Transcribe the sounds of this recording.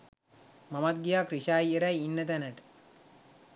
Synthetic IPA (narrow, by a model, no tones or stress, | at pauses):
mɐmɐt̪̚ɡijaːkɾiʃaːjeɾɐjinːɐt̪̬ɐnɐʈ